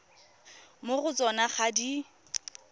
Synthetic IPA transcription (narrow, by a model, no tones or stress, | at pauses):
mʊɣʊt͡sʼɔnaχadi